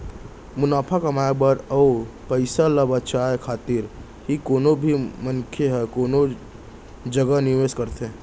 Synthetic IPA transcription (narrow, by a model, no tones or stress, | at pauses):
mʊnaːpʰakəmaebəɾɔopəɪsalabət͡ʃaekʰaːt̪ɪɾ | ɦikoːnobʱimənkʰeɦɛkoːno | d͡ʒəɡənɪʋeskəɾt̪ẽ